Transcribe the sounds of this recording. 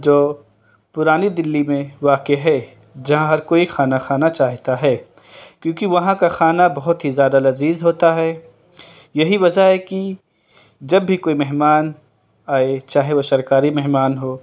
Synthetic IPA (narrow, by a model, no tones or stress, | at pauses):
d͡ʒoː | pʊɾaːnid̪ɪlːimẽʋaːkeɦɛ | d͡ʒɐɦãɦɐɾkoːixaːnaxaːnat͡ʃaːɦt̪aɦɛː | kjõːkiʋɐɦãkaxaːnabɐɦʊt̪ɦizjaːd̪alɐziːzɦoːt̪aɦɛː | jɐɦiʋɐd͡ʒaɦɛːki | d͡ʒɐbːʱikoːimɛɦmaːn | aːet͡ʃaːɦeʋoʃɐɾkaːɾimɛɦmaːnɦoː